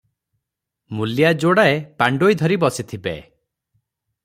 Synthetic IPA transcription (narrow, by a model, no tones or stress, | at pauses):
muljad͡ʒoɽaepaɳɖojd̪ʱɔɾibɔsit̪ʰibḛ